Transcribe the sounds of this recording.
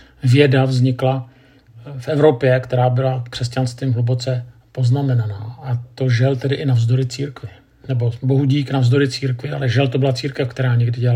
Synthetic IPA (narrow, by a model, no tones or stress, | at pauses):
vjɛdavzɲɪkla | fʔɛvɾo̞pjɛkt̪ɛɾaːbɪlakr̥ɛscanst̪viːmɦlubo̞t͡sɛpo̞znamɛnanaːʔat̪o̞ʒɛlt̪ɛdɪʔɪnavzdo̞ɾɪt͡siːɾkvɪ | nɛbo̞bo̞ɦuɟiːknavzdo̞ɾɪt͡siːɾkvɪa̰lɛʒɛlt̪obɪlat͡siːɾkɛfkt̪ɛɾaːɲɛɡdɪɟɛl